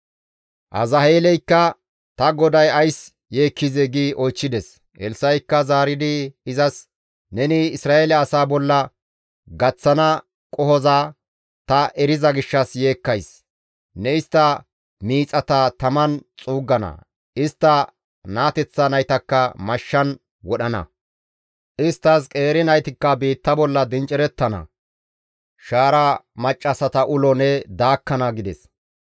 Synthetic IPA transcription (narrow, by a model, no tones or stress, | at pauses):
ʔɐ̰zɐheːlɛjkːɐ | t̪ɐɡɔd̪ɐjɐjs | jeːkːɪzɛɡiːʔɔjt͡ʃːɪd̪ɛs | ʔɛlsɐjkːɐzaːɾɪd̪ɪɪzɐs | nɛnɪɪsɾaːʔelɛɐsaːbɔlːɐ | ɡɐt͡sːɐnɐ | kʼɔhɔzaː | t̪ɐʔɛɾɪzɐɡɪʃːɐsje̞ːkːɐjs | nɛɪst̪ːɐ | miːt͡sʼɐt̪ɐt̪ɐmɐnt͡sʼuːɡːɐnɐ̰ | ɪst̪ːɐ | naːt̪ɛt͡sːɐnɐjt̪ɐkːɐmɐʃːɐn | wɔɗɐnɐ̰ | ʔɪst̪ːɐskʼe̞ːɾɪnɐjt̪ɪkːɐbiːt̪ːɐbɔlːɐd̪ɪnt͡ʃʼɪɾɛt̪ːɐnɐ̰ | ʃaːɾamɐt͡ʃʼːɐsɐt̪ɐʔʊlɔnɛd̪aːkːɐnɐɡɪd̪ɛs